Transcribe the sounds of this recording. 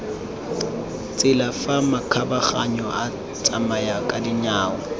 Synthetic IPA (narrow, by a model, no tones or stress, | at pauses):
t͡sʼɪlafamakʰabaχaɲɔa | t͡sʼamajakʼadɪɲaːwɔ